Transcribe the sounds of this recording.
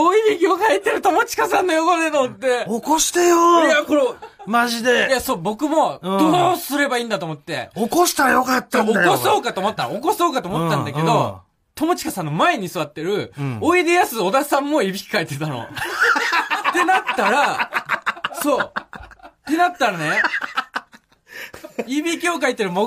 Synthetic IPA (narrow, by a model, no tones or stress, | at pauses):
oibʲikʲiokait̪ːe̞ɾɯ̟t̪o̞mot͡ɕi̥kasãnːojokonet̪omot̪ːe̞okoɕi̥t̪ejojako̞ɾomaʑid̪e̞jaso̞ːbo̞kɯ̟mo̞̥osɨɾe̞baĩːnd̪at̪omot̪ːe̞̰okoɕi̥t̪aɾjo̞kat̪ːaokoso̞ːkat̪oːmot̪ːaokoso̞ːkat̪oːmo̞t̪ːãnd̪ake̞d̪o̞ | t̪o̞mot͡ɕi̥kasãnːo̞mae̞ɲ̟isɨβat̪ːe̞ɾɯ̟oid̪e̞jasɨo̞d̪asãmːo̞ibʲikʲi̥kait̪e̞t̪ano̞̰ | t̪e̞nat̪ːaɾa | so̞ː | t̪e̞nat̪ːaɾane | ibʲikʲoːk̬ait̪ːeɾɯ̟mo